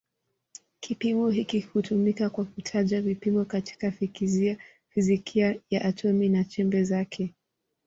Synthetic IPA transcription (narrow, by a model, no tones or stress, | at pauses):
kʰipimɔɦikihutʰumikakwakutʰaʄavipimɔkati̥kafikizia | fizikʰiajaʔːtʰɔminat͡ʃɛmbɛzakʰɛ